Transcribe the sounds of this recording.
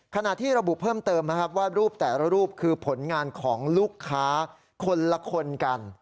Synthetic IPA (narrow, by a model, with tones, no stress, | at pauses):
kʰa˧na˨˩t̪ʰːiː˥˩ɾa˧bu˨˩ʔpʰɤː˥˩mt̪ɤː˧mna˦˥kʰa˦˥p̚waː˥˩ɾuː˥˩p̚t̪ɛː˨˩la˦˥ɾuː˥˩p̚kʰɯː˧pʰo˩˦nŋaː˧nkʰɔː˩˦ŋlu˥˩kʰːaː˦˥ | kʰo˧nla˦˥kʰo˧nka˧n